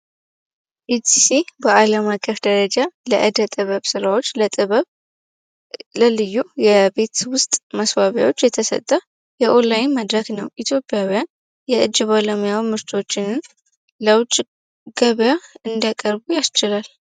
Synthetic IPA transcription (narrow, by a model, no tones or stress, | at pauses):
ʔit̪isibəʔaləmakʼːəfd̪əɾəd͡ʒaləʔɨd̪ət̪ʼɨβəβsɨɾawo̞t͡ʃ̪ːʼ | ləlɨjːujɛbe̞t̪wʊst̪ʼməswaβja̰wo̞t͡ʃːjɛt̪ʰəsə̰t̪ʼːə | jɛʔolajɪnməd̪ɾəɡnəwʔit̪ʰjo̞pʼːjawijan | jɛʔɨd͡ʒːbalomijawimɨɾt̪ʰo̞t͡ʃːɪnɨn | ləwt͡ʃʼ | ɡ̥əβjaɨnd̪akʼəɾbujast͡ʃːɪlal